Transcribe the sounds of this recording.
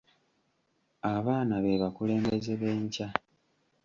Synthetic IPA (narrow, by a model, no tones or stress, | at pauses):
aβaːnaβeβakule̞ːmbe̞ze̞βeːɲca